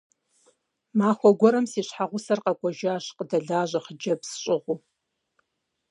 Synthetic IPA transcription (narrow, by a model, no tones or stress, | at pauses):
maːxʷɔɡʷɔɾɐmsiːɕħaʁʷʊsɐrqɑkʷʼɔʒaːʃqədɐɮaːʑʷɐχəd͡ʒɐpsɕʼɪʁʷu